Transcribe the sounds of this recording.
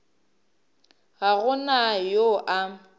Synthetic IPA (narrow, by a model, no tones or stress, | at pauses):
ɣaɣʊnajoʔa